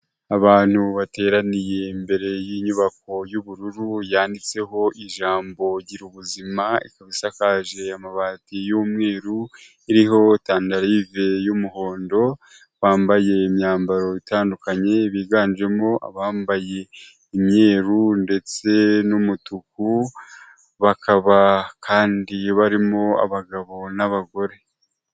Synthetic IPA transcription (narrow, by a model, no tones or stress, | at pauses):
aβaːn̥huβate̞ːɾanije̞mbe̞ɾe̞jiːɲuβako̞juβuɾuɾujaːndit͡se̞ɦo̞ʔiʒaːmbo̞ɟiɾuβuzimaḭkaβisakaʒe̞amaβaːtijuːmŋe̞ːɾu | iɾiɦo̞taːndaɾive̞jumuho̞ːndo̞ | βaːmbaje̞imjaːmbaɾo̞itaːndukaɲe̞βiːɡaːnd͡ʒe̞mo̞ʔa̰βaːmbaje̞ | imɲe̞ːɾunde̞t͡se̞numutuku | βakʰaβakʰaːndiβaɾimo̞a̰βaɡaβo̞naβaɡo̞ɾe̞